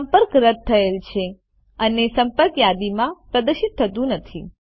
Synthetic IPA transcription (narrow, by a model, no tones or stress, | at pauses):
əmpəɾkɾəd̪̚t̪ʰːəelt͡ʃʰe | ənesəmpəɾkjad̪imãpɾəd̪əʃit̪ʰːət̪ũnət̪ʰi